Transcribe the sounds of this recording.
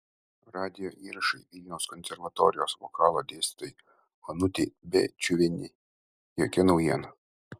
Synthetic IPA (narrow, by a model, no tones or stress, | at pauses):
ɾɑːd̪ʲɪjoːʔiːɾɐʃɐɪʋʲɪlʲnʲɛʊskɔnʲsʲɛɾʋɐt̪ɔːɾʲɪjoːsʋɔ̰kɑːlˠoːd̪ʲeːsʲt̪ʲɪ̥t̪oj | ɐnʊt̪ʲɪbʲɛ̰t͡ʃʲʊʋʲɪnʲɪ | jokʲɛnɒʊjiɛnɐ